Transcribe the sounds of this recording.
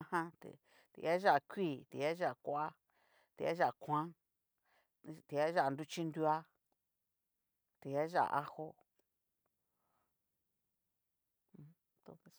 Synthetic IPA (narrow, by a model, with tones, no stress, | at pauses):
hã˦t̪ḛ˨ | t̪ḛ˧˨˧a˦ʒa˦ʔa˨˧kʷiː˦˨t̪i˨˦a˦ʒa˦˨kʷa˦ | t̪e˧a˦ʒa˦˨a˨kʰʷã˦ | t̪i˨˧a˦ʒa˦˨nd̪u˦t͡ʃi˦nd̪u˦a˦ | t̪e˨˧a˦ʒa̰˦ʔa̰˨ʔa˦ho˦˧ | t̪o̰˧e˧˨